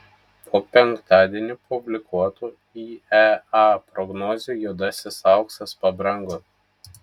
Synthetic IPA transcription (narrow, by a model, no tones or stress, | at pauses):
pʰoːpʲɛŋkt̪ɑːd̪ʲiɛnʲupʊbʲlʲɪkuɔt̪uː | iːɛɑpɾɔɡnɔːzʲujud̪ɐsʲɪsɑˑʊksɐspɐbɾɐŋɡot̪